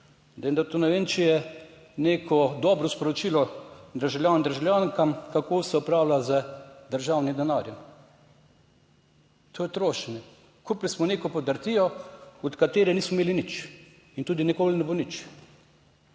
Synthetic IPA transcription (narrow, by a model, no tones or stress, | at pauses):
d̪ɛjnd̪at̪unɛʋeːnt͡ʃɛjɛ | neːkʰɔd̪ɔːbɾɔspɔɾɔt͡ʃiːlɔd̪əɾʒawlʲjʲaːnnd̪əɾʒawljaːŋkamkakoːsɛɔpɾaːwlazəd̪əɾʒaːwnid̪ɛnaːɾjɛm | t̪ʰoːjɛt̪ɾoːʃɛnɛ | kuplismɔneːkɔpɔd̪əɾt̪ijɔɔt̪kat̪eːɾɛniːsmɔmeːlinit͡ʃ | int̪uːd̪inikoːlinɛbonit͡ʃ